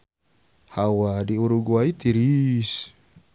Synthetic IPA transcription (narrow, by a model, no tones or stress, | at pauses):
hawadiuɾuɡuait̪iɾis